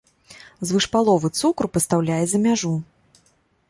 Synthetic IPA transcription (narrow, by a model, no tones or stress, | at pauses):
zvɨʂpalˠɔvɨt̪sukrpɐst̪awlʲajɛzɐmʲaʐu